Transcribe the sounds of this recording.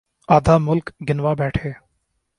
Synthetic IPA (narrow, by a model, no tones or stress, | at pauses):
aːd̪ʱaːmʊlkɡɪnʋaːbɛːʈʰeː